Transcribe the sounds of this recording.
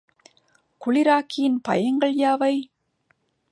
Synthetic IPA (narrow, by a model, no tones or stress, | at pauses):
kʊɭɪɾaːkːɪjɪnpɐ̰jɐŋɡɐɭjaːʋɐɪ